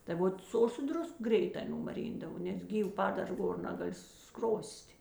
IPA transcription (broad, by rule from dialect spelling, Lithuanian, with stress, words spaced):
tɐɪ ˈʋoːt ˈsʊ oː sʊ ˈdrʊsk ˈɡrʲɛɪtɑː nʊmɐˈrʲiːndɐʋoː nʲɛs ˈɡʲiːw ˈpɑːdɐr ˈɡoːr ˈnɑːɡɐˌlʲɪ ˈskroːsʲtʲ